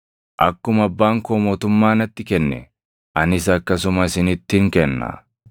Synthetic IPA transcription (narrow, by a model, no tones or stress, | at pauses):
ʔɐkːʊmɐbːaːŋkoːmoːt̪ʊmːaːnɐt̪ːɪkɛnːɛ̰ | ʔɐnɪs̬ɐkːɐsʊmɐsɪnɪt̪ːɪŋkɛnːɐ̰